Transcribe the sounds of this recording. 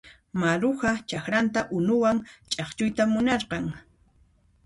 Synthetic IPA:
maɾʊhat͡ʃakɾant̪aʔʊnʊwaŋt͡ʃʼɑχt͡ʃʊjt̪amʊnɑɾqɑŋ

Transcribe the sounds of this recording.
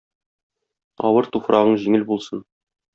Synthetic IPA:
ɒ̰wɤɾt̪ufɾʔɑʁɤɴʑiŋɘlbulˠsɤn

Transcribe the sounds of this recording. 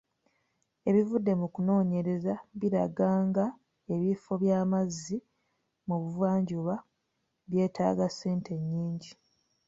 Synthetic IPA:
e̞βivudːe̞mukuno̞ːɲe̞ɾe̞zaβiɾa̰ɡaːŋɡa | e̞βifo̞βjaːmazːi | muβuvwaːɲɟuβa | βje̞ːtʰa̰ːɡase̞ːnte̞ɲːiːɲɟi

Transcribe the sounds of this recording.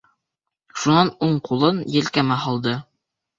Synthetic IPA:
ʃunɑnuɴqulˠɤnjɘ̆lkæmæɦɑlˠd̪ɤ

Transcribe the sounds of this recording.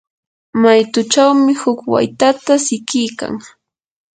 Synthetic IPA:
majt̪ʊt͡ʃawmɪhʊkwa̰jt̪at̪asɪkɪjka̰ŋ

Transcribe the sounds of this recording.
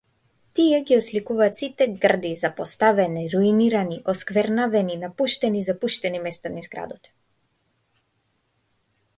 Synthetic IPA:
t̪iɛɡiɔslikuvaːt̪sit̪ɛɡr̩d̪izapɔst̪avɛniɾuiniɾaniʔɔskvɛɾnavɛninapuʃt̪ɛnizapuʃt̪ɛnimɛst̪anizɡɾa̰d̪ɔt̪

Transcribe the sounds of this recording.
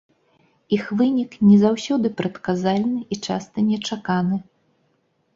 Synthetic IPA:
ixvɨnʲiknʲɛzawsʲɔd̪ɨpɾɐt̪kazalʲnɨʔit͡ʂa̰st̪ɐnʲɛt͡ʂakanɨ

